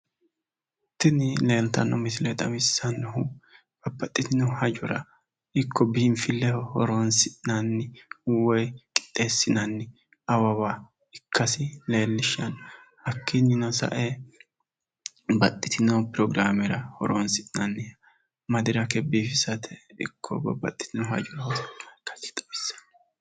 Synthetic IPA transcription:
t̪ːɪnɪle̞ːlt̪ɐnːɔmɪsɪlet̪ʼɐmɪsːɐnːʊhʊ | b̥ɐbːɐt̪ʼːɪt̪ɪnɔhɐd͡ʒʊɾɐ̰ | ɪkʰːɔbinfɪlːɛhɔɾoːnsɪʔnɐnːɪʊwɔjkʼɪ̥t̪ʼːeːsːɪnɐnːɪ | ɐwɐwa | ɪkʰːɐsɪle̞ːlːɪʃɐnhɐkʰːɪnːɪnɔsɐ̰ʔe | bɐt̪ʼːɪt̪ɪnopɾɔɡɾaːmɛɾɐhɔ̰ɾoːnsɪʔnɐnːɪɐ | mɐd̪ɪɾɐkɛbiːfɪsɐt̪ʰɛɪ̰kʰːɔbɐ̰bːɐ̰t̪ʼːɪ̥t̪ɪnʊhɐ̰d͡ʒɔɾɐhɔst͡ʃːkːɐ̥sɪ̥t̪ʼɐ̥wɪsɐ̥n

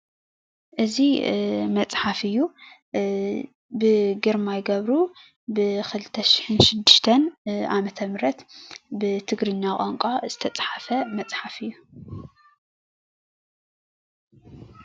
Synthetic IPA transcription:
ʔɨzimɐt͡sʼħafɨjːu | bɨɡɨɾmajɡɐβɾu | bɨxɨlɨt̪ʰːɐʃi̥ħɨnʃɪd̪ːɨʃt̪ʰɐnʔamɐt̪ʰɐmɾɐt̪bɨt̪ʰɨɡɾɨɲːakʼaŋkʼaz̥ɨt̪ʰɐt͡sʼħafɐmɐt͡sʼħafɨjːu

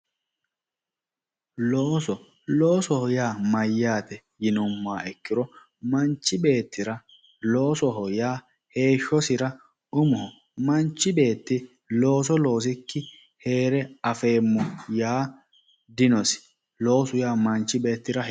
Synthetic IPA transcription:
loːsɔ | lo̞ːsɔhɔjaːmɐjːaːt̪ɛ | jɪnʊmːaːɛkːɪɾɔ | mɐnt͡ʃːɪbe̞ːt̪ːɪɾɐ | lo̞ːsɔɦɔjaː | he̞ːʃɔsɪɾɐ | ʔʊmʊhɔ | mɐnt͡ʃːɪbe̞ːt̪ːɪ | lo̞ːs̬ɔlo̞ːs̬ɪkːɪ | he̞ːɾɛɐfeːmːʊjaː | d̪ɪnɔsɪ̥ | lo̞ːsʊjaːmɐnt͡ʃːɪbe̞ːt̪ːɪɾɐ

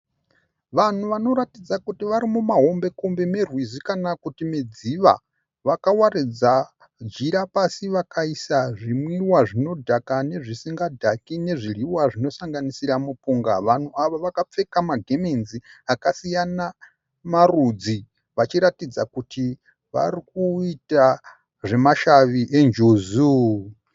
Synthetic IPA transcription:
ʋan̤uʋano̞ɾatid͡zakutiʋaɾimumaɦo̞mbe̞kumbemerwizikanakutimed͡ziʋa̰ | ʋakawaɾid͡za | d͡ʒiɾapasiʋakʰaisaʐimwiwaʐino̞dʱakane̞ʐisiŋɡadʱakine̞ʐiriwaʐino̞saŋɡanisiɾamupuŋɡa̰ʋan̤uaʋoʋakap͡fe̞kamaɡʱe̞menziakasijana | marud͡zi | ʋat͡ʃiɾatid͡zakutʰi | ʋa̰ɾik̚uita | ʐe̞maʃaʋiʔe̞nd͡ʒozu

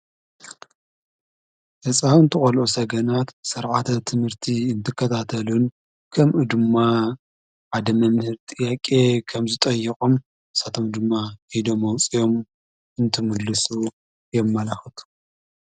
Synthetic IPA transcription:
hɐsʼawɨnt̪ʰɨxʼɐlʔosɐɡɐnat̪sɐɾʕat̪ʰɐt̪ʰɨmhɨɾt̪ʰiɨnt̪ʰɨkʰːɐt̪ʰat̪ʰɐlun | kʰɐmʔud̪ɨmːa | ʕad̪ɐmɐmhɨɾt̪ʼɨjakʼe̞kʰɐmzɨt̪ʼɐjːɐkʼom | ɨsat̪ʰo̞md̪ɨmːahid̪o̞mːɐwt͡sʼijo̞m | ɨnt̪ʰɨmɨd̪lːɨsu | jɛmːɐlaxɐt̪ʰu̥

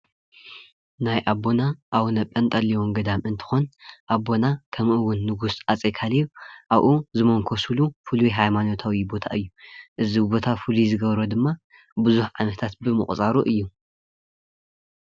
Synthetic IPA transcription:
najʔabo̞naʔawnɐpʼɐnt̪ʼɐliwomɡɐd̪amʔɨnt̪ʰɨ̥xonʔabːo̞nakʰɐmʔɨwʊnːɨɡusat͡sʼekʰaliβʔaβʔuzɨmoŋkʰo̞sulufɨlujɦajmano̞t̪ʰawibo̞t̪ʰa̰ʔɨjːuʔɨzibo̞t̪ʰafɨluzɨɡɐβɾod̪ɨmːa | bɨzuħʕanɐt̪ʰat̪̚bɨmɨχʼt͡sʼaɾuʔɨjːu

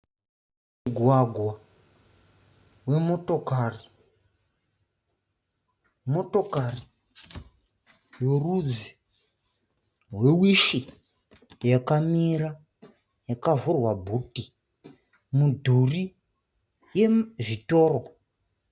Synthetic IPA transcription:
muɡʱwaɡʱwa | we̞mo̞to̞kaːri | mo̞to̞kari | jorud͡zi | ɦwe̞wiʃi | jakamiɾa | jakavurwabʱuti | mudʱuri | je̞ʐito̞ːro

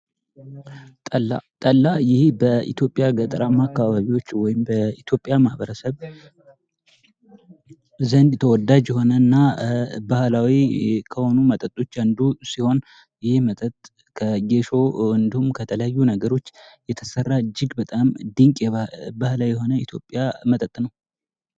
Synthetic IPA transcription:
t̪ʼəlat̪ʼəlːajɪhbəḭt̪ʰjo̞pʼːjaɡət̪ʼəɾamakːaβaβiwot͡ʃːwɔjɪmbəit̪ʰjo̞pʼːjamahbəɾəsəβ | zənd̪t̪ʰəwɔd̪ad͡ʒjɛɦo̞nənːabahlawikʰəho̞numət̪ʼət̪ʼːo̞t͡ʃːand̪usiho̞n | jɪhɪmət̪ʼət̪ʼ | kʰəɡe̞ʃo̞ɨnd̪ihumkʰət̪ʰələjajːunəɡəɾo̞t͡ʃːjɛt̪ʰəsərːad͡ʒːɪɡbət̪ʼamd̪ɨŋkʼjɛbahlawjɛɦo̞nəit̪ʰjo̞pʼːjamət̪ʼət̪ʼnəw

